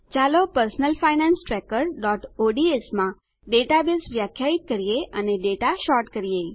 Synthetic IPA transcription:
t͡ʃalopəɾsnəlfainãnsʈɾɛkəɾɖɔʈoɖiesmã | ɖeʈabesʋjakʰːjait̪̚kəɾijeəneɖeʈaʃɔɾʈkəɾije

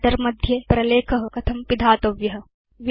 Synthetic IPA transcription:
ɐɾmɐd̪ʱjɐpɾɐleːkʰɐɦɐ̆kɐt̪ʰɐmpid̪ʱaːt̪ɐʋjɐɦɐ | ʋ

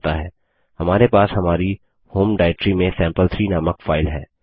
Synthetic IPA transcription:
t̪aɦɛː | hɐmaːɾepaːshɐmaːɾi | hoːmɖaːɪʈɾimẽsɛ̃ːmpəlt̪ʰɾiːnaːməkfaːɪlɦɛ̰ː

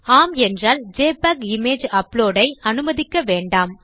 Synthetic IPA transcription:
aːmɛndraːld͡ʒeːpakɪmeːd͡ʒɐploːɽɐɪɐnɯmɐðɪkːɐʋeːɳɖaːm

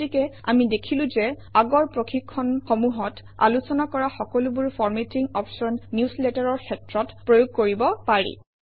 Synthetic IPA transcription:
ikɛa̰midekʰilʊ̃zɛ | aɡɔɹpɹoxʰikʰːɔnxɔmuɦɔt | a̰lusɔnakɔɹaxɔkɔlʊbuɹfʰɔɹmetiŋɔpsɔnːjuslɛtaɹɔɹkʰɛtɹɔtpɹojoɡ̚koɹibɔpaɹḭ

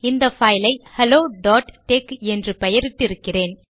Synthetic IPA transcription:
ɪnd̪ɐfɐːjlɐɪhɛloːɖaːʈʈeːkɛndrɯpɛjɐɾɪʈːɪɾɯkːɪreːn

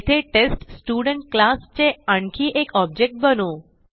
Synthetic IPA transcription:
t̪ʰeʈesʈsʈuɽəɳʈ̚klast͡ɕeəɳkʰiːʔekɔb̚d͡ʑek̚ʈ̚bəno

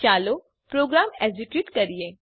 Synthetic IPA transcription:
t͡ʃaːlo | pɾoːɡɾaːmɛziʈuːʈkɐɾijeː

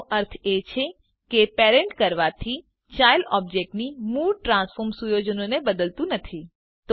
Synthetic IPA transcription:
ʔəɾt̪ʰet͡ʃʰe | kepeɾẽɳʈkəɾʋat̪ʰi | t͡ʃajlɔb̚d͡ʒek̚ʈnimulʈɾãsfoɾmsujod͡ʒənonebəd̪əlt̪ũnət̪ʰi | t̪

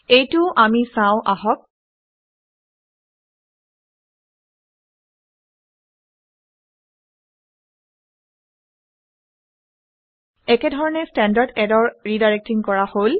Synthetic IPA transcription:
ejtʊʔamisãʊ̃ʔaɦɔk̚ | ɛkɛdʱɔɹɔnɛstɛndaɹdɛdɔɹɹidaɹek̚tiŋkɔɹahol

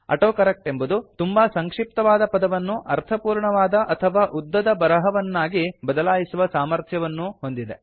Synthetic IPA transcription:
ɐ̰ʈoːkɐɾek̚ʈe̞mbud̪ut̪umbasɐŋkʂip̚t̪ɐʋaːd̪ɐpɐd̪ɐʋɐnːuʔɐɾt̪ʰɐpuːɾɳɐʋaːd̪ɐʔɐt̪ʰɐʋaːʔud̪ːɐd̪ɐbɐɾɐɦɐʋɐnːaːɡibɐd̪ɐlaːjisuʋɐsaːmɐɾt̪ʰjɐʋɐnːuɦo̞nd̪id̪e̞̰

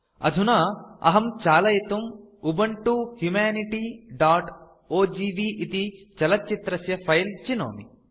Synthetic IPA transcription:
ɐ̰d̪ʱunaːɐ̰ɦɐmt͡ʃaːlɐjit̪um | ubɐɳʈuhjumaːniʈiːɖaːʈ | oːd͡ʒiːbiːʔit̪it͡ʃɐlɐtːt͡ʃːit̪ɾɐsjɐpʰɐjlt͡ʃino̰ːmḭ

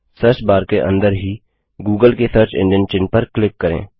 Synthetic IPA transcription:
səɾt͡ʃbaːɾkeʔə̰̃nd̪əɾɦiː | ɡuːɡəlkesəɾt͡ʃɪ̰̃ɳɖə̃nt͡ʃɪ̃npəɾklɪkːəɾḛ̃ː

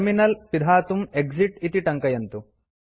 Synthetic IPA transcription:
minɐlpid̪ʱaːt̪umeɡd͡ʒiʈit̪iʈɐŋkɐjɐnt̪u

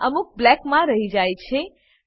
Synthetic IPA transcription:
əmuk̚blɛkmãɾəɦid͡ʒajt͡ʃʰe

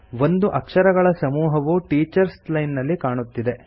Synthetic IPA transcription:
ʋo̞nd̪uʔɐkʂɐɾɐɡɐɭɐsɐmuːɦɐʋuʈiːt͡ʃɐɾslɐjnːɐlːikaːɳut̪ːid̪e̞

